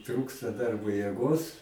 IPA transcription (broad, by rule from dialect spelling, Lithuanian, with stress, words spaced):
ˈtruːkstɐ ˈdɐrboː jeːˈɡoːs